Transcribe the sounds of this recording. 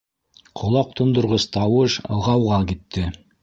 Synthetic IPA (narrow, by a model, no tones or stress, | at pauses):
qʰŏlˠɑq̚t̪ʰŏnd̪ŏɾʁɤst̪ɑwɤʃɤ̰̆lˠʁɑwʁɑkit̪ːɘ